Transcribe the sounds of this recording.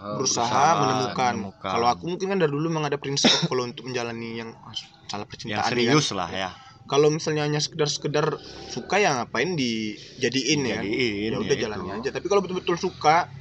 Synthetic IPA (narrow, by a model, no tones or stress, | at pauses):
bəɾusaɦamənəmukankalowakumuŋkɪnkandardulumaŋadapəɾinsipkalount̪ʊk̚məɲd͡ʒalanijaŋas | salahpərt͡ʃint̪a̰ʔa̰nʊsla̰ha | kalowmisalɲaːɲas̬ə̥kədarsə̥kədarsukajaŋapaɪndid͡ʒadiɪnjajaudahd͡ʒalanɲad͡ʒat̪apikalowbət̪ʊlbət̪ʊlsuka